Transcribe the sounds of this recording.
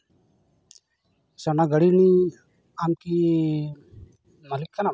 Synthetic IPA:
sanaɡəɽini | amki | malikːana

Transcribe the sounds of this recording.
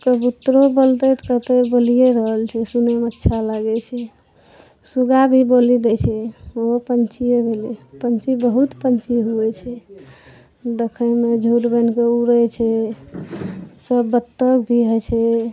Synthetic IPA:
kəbut̪ɾobolt̪et̪kət̪ebolijeɾəɦəlt͡ʃʰɛsunemətːʃʰalaɡɛt͡ʃʰɛ | suɡabʱibolid̪ɛt͡ʃʰɛopənt͡ʃiebʱelipənt͡ʃibəɦut̪pənt͡ʃiɦuɛt͡ʃʰɛ | d̪ekʰəmed͡ʒʱuʈbənkeuɾɛt͡ʃʰɛ | səbːət̪ːəkbʱiɦət͡ʃʰɛ

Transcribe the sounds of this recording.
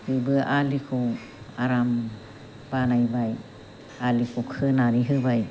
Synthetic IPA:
hɯbɯaʔalikʰu | aɾam | panajbaj | alikʰukʰɯnaɾiɦɯbaj

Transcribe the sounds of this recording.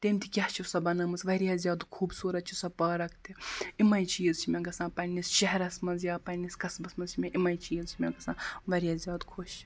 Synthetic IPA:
t̪emʲt̪ʲʰikʲɐht͡ʃʰisɐbɐnɐmɨsʋɐɾijaːzʲjaːd̪kʰuːbsuːɾɐt̪̚t͡ʃʰisɐpɐːɾɐkt̪ʲiimɐjt͡ʃiːzt͡ʃʰimʲeɡɐsãːpɐnʲist͡ʃɐɦɾɐsmɐnzjaːpɐniskɐsbɐsmɐnzt͡ʃʰimʲeʔimɐjt͡ʃiːzt͡ʃʰimʲeɡɐsãːʋɐɾʲjaːzʲjaːd̪kʰuʃt͡ʃʰi̥

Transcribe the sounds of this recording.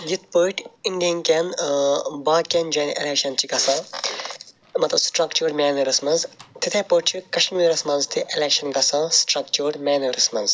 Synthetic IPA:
jit̪̚pəːʈʰiɳɖijɐnkʲen | baːkend͡ʒɐːnʔḛleːkʃɐnt͡ʃʰiɡɐsãː | mɐt̪lɐbsʈɾɐkt͡ʃuːɾmʲɛːnuːɾɐsmɐnzt̪ʰit̪ʰẽːpəʈ̚t͡ʃʰikɐʃmiːɾɐsmɐ̃nzt̪ʰiʔeleːkʃɐnɡɐsãːsʈɾɐk̚t͡ʃuːɽmʲɛːnuːɾismɐnz

